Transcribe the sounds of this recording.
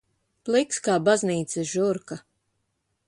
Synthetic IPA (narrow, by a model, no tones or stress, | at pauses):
plˠikskaːbazniːt̪sɛʒuɾka